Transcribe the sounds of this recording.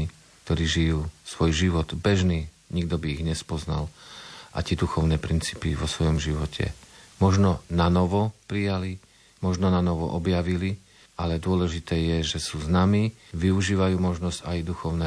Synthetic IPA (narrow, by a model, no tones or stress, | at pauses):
i | k̚t̪ɔɾiːʒijuːsʋɔjʒiʋɔd̪bɛʒniː | ɲiɡ̚d̪ɔbiːɣɲɛspɔzna̰lʔa̰t̪ɛd̪uxɔʊnɛːpɾint͡siːpiʋɔsʋɔjɔmʒiʋɔcʰɛ̰mɔʒnɔnanɔʋɔpɾijali | mɔʒnɔnanɔʋɔ̰ʔɔbjaʋili | ʔalɛd̪ʊɔlɛʒit̪ɛːjɛʒɛsuːznami | ʋiuʒiːʋajuːmɔʒnɔzɟajd̪uxɔʊnɛ